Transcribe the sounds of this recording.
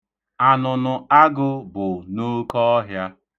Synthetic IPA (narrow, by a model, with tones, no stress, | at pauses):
a˨nʊ˨nʊ˨a˦ɡʊ˦bʊ˨no˦kɔ˦ɔ˦ɦja˦